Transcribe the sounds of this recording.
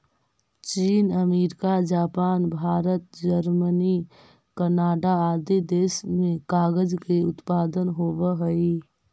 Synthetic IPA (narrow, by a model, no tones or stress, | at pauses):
t͡ʃiːnəmeːɾɪkad͡ʒaːpaːnbʱaːɾət̪̚d͡ʒəɾməni | kənaːɖaaːd̪id̪eːsmẽkaːɡəd͡ʒkeʊt̪paːd̪ənɦoːʋəɦəi